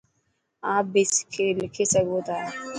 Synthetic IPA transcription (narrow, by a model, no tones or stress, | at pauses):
aːbɪskʰelɪkʰesəɡot̪aː